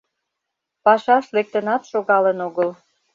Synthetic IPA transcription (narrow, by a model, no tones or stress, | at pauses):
pɑʃɑʃlek̚t̪ənɑt̪ʃoɣɑlənoɣəl